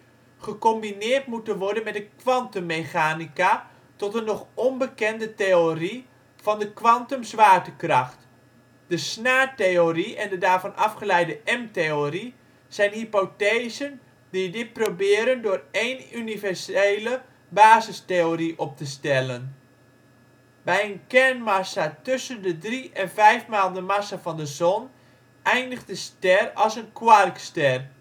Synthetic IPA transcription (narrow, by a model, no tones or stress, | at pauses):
χəkɔmbinɪːrtmutənʋɔɹdənmɛtdəkʋɑntəmːejχaːnika | tɔtənːɔχɔnbəkɛndətejori | v̥ɑndəkʋɑntəmzʋaːɹtəkrɑχt | d̥əsnaːtejoɾiɛndədaːɹvɑnʔɑfχəlɛjdəʔɛmtejori | z̥ɛjnɦipotejzən | didɪt̚probɪəɾəndʊːreːnynivɛrseːlə | baːzəsteoriʔɔp̚təstɛlən | bɛjənkɛrnmasatøsəndədriʔɛnvɛjfmaːlˠdəmasavɔndəzɔn | ʔɛjndəxdəstɛrɔlˠsənkwarkstɛr